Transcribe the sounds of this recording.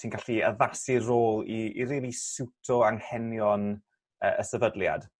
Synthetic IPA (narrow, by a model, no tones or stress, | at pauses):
sʰiːnkʰaɬiəðasiroːlˠiːɾiːlˠisɪwtʰɔaŋhɛnjɔn | ə̰ːəsəvədlja̰d̥